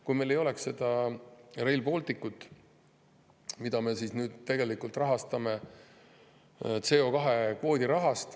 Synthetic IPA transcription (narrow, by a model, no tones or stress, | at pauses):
kujme̞jlːe̞jo̞leksse̞d̪̥ɑ | re̞jlbo̞lt̪ikːut̪ːˑ | mid̪̥ɑme̞siːsnyːd̪̥t̪e̞ɡe̞likult̪rɑɦɑst̪ɑme̞ | t̪se̞ːo̞kɑɦe̞kvo̞ːd̪ʲiɾɑɦɑst̪